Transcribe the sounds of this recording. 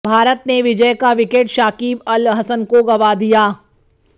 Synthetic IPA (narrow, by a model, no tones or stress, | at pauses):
bʱaːɾət̪neʋɪd͡ʒəjkaʋɪkeːʈʃaːkiːbɐlɦɐsənkoɡɐʋad̪ijaː